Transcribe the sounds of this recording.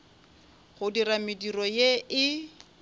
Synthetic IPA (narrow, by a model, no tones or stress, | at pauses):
χʊdiramɪdirɔjeɪ